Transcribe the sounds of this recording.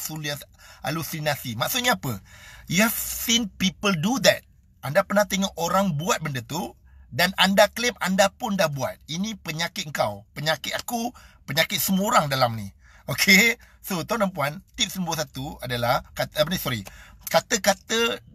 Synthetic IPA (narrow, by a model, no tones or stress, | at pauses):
suliasʔa̰lusinasimaʔsʊt̪̚ɲaːpəjafsinpipəldud̪ɛt̪̚ | ʔandapərnaht̪eŋɔʔoɾaŋbuat̪̚bəndət̪u | danandaklɪmandapʊndahbua̰t̪̚inĩpəɲakɪt̪̚əŋkawpəɲakɪt̪̚akupəɲakɪt̪̚səmuoɾaŋdalamnḭ | okʰe | sot̪onampuant̪ip̚sənbuəs̬at̪uadalahkat̪əpənisɔɾikat̪əkat̪ə